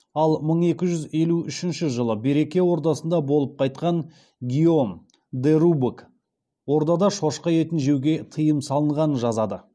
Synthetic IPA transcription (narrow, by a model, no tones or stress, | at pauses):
ɑlˠməɴe̞kʲɪʒʏze̞luʏʃɪnʃɪʒəlˠəbe̞ɾe̞kʲe̞wo̞ɾd̪ɑsənd̪ɑbo̞lˠəp̚qʰɑjt̪̚qɑn | ɡʲio̞m | d̪eɾubuk | wo̞ɾd̪ɑd̪ɑʃo̞ʃqɑje̞t̪ɪnʒe̞wɡʲe̞t̪ʰəjəmsɑlˠəɴʁɑnənʒɑzɑd̪ə